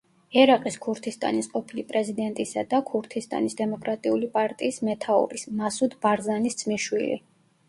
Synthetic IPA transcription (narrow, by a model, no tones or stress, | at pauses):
ɛɾaqʼiskʰuɾt̪ʰist̪ʼa̰nisqʼɔpʰilipʼɾɛzid̪ɛnt̪ʼisad̪akʰuɾt̪ʰist̪ʼa̰nisd̪ɛmɔkʼɾat̪ʼiulipʼaɾt̪ʼiːsmɛt̪ʰaṵɾismasud̪baɾzanist̪sʰʼmiʃwilḭ